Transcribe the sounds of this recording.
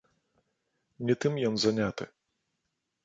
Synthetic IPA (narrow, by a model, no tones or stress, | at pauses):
nʲɛt̪ɨmjɔnzanʲat̪ɨ̰